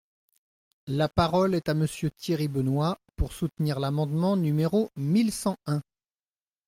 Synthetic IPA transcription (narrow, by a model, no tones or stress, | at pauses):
lapaʁɔlɛt̪aməsjøt̪ʰjiʁibənwapuʁsut̪niʁlamɑ̃d̪mɑ̃nymeʁomilsɑ̃ɛ̃